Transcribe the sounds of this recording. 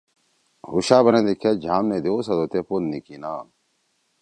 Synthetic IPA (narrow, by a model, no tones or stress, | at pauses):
ɾuɕaːbɐnẽd̪ikʰːed͡ʑʱaːmned̪eosɐd̪ot̪epolnikinaː